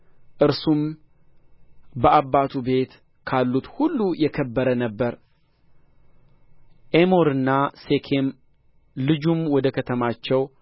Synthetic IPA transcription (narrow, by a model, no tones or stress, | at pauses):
ʔɨɾsum | bəabːat̪ʰube̞t̪ | kʰalːut̪hulːujɛkʰəbːəɾənəbːəɾ | ʔemo̞ɾɨnːase̞kʰem | lɨd͡ʒumwɔd̪əkʰət̪ʰəmat͡ʃːɛw